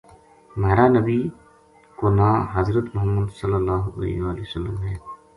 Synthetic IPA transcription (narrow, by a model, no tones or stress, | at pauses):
maːɾanɐbi | koːnaːɦɐzɾət̪mʊɦəmːəd̪sɐlːəlːaːɦoɐ̰lɛ̰ɦiʋaːleosəlːəmɦɛː